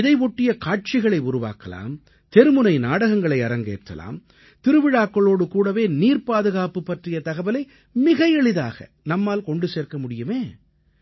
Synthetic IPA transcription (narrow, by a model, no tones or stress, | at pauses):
ɪðɐɪʋɔʈːɪjɐkaːʈ̚t͡ʃɪɣɐɭɐɪʊɾʊʋa̰ːkɐla̰ːm | t̪ɛɾɯmɯnɐɪnaːɽɐɣɐŋɡɐɭɐɪɐɾɐŋɡḛːʈrɐ̰la̰ːm | t̪ɪɾɯʋɪɻaːkːɐɭoːɽɯkuːɽɐʋeːniːrpaːðɯɣaːpɯpːɐʈrɪjɐt̪ɐɣɐbɐlɐɪ | mɪɣɐjɛɭɪða̰ːɣɐ̰ | nɐmːaːlkɔɳɖɯseːrkɐmʊɽɪjɯmeː